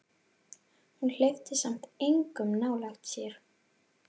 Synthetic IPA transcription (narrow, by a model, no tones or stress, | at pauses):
hunl̥ext̪ɪsam̥t̪ejŋkʏmnaːwlaxt̪sjɛɾ̥